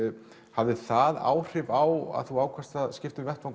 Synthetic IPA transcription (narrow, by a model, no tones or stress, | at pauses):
havðɪθaða̰ːwr̥ɪvawa̰ðθuaːwkʰvast̪ascɪft̪ʏvɛht̪vawŋk